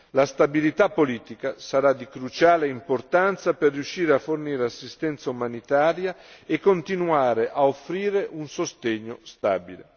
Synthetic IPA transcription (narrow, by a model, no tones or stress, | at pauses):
last̪abilit̪apːoliːt̪ikasaɾad̪ikɾut͡ʃaːleimport̪ant̪saperːjuʃːiːɾeafːorniːɾeasːist̪ɛnt̪saumanit̪aːɾjaekːont̪inuaːɾeʔaofɾiːɾeʔunsost̪eɲːost̪aːbilḛ